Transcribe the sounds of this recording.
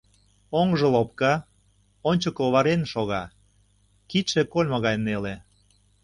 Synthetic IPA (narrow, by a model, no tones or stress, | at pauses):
oŋʒɤ̆lop̚kɑ | onʲt͡ɕəkoβɑɾenʃoɣɑ | kiʃekolʲmoɣɑjnele